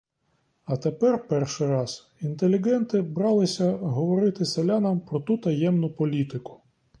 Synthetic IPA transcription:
ɐt̪epɛrpɛrʃɪjɾɑz | int̪elʲiɡɛnt̪ɪbɾɑlˠɪsʲɐɦɔʋɔɾɪt̪ɪselʲanɐmpɾɔt̪ut̪ɐjɛmnʊpɔlʲit̪ɪkʊ̥

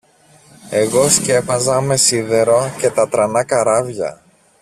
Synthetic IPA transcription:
e̞ɣo̞sce̞pɐzɐme̞siðe̞ɾoce̞t̪ɐt̪ɾɐnɐkɐɾɐvʝɐ̰

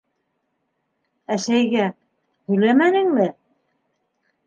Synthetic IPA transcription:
æʃæjɡæ | hɵ̆jlæmænɘ̆ŋmɘ

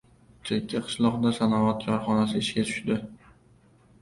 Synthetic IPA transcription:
t͡ʃ̪ʰekʲʰːaqʰɨ̥ʃlˠɒqd̪asanɒvat̪̚kʰɒɾχɒnasɪɪʃkʲat̪ʰʊ̥ʃd̪ɪ

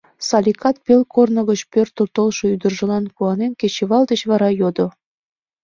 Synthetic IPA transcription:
sɑlʲikʰɑt̪̚pelkornə̆ɣət͡ɕpørt̪ːurt̪olʃoyd̪ərʒə̆lɑnkuɑnenket͡ɕeβɑld̪et͡ɕβɑɾɑjod̪o

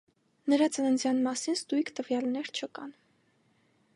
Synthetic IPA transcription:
nəɾɑt͡sənənd͡zjɑnmɑsinst̪ujkʰt̪əvjɑlnɛɾt͡ʃʰəkɑn

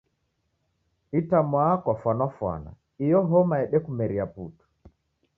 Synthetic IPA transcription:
itamwakwafwanafwa̰na̰ | ijɔɦɔmaɛɗɛkumɛɾiaputu̥

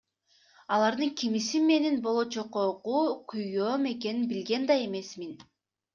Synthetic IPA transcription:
ɑlˠɑɾd̪ɯŋkʲʰimisinme̞ninbo̞lˠo̞t͡ʃoqoquːqʰujjøːme̞ke̞ninbilɡe̞nd̪ɑe̞me̞smin

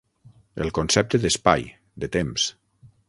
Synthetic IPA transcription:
ḛlˠkonsɛp̚t̪əðəspa̰j | d̪ət̪ems

